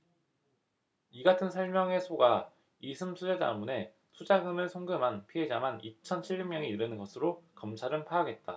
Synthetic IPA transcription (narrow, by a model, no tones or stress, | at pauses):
iɡatʰɯnsʰʌɭmjʌŋe̞sʰoɡa | isʰɯmsʰud͡ʑe̞da̰mune̞ | sʰud͡ʑaɡɯmɯɭsʰoŋɡɯmɦanpʰiɦe̞d͡ʑamanit͡ɕʰʌnt͡ɕʰiɭːumjʌŋiiɾɯnɯnɡʌsʰɯɾokʌmt͡ɕʰaɾɯnpʰaːɡe̞t̚t͈a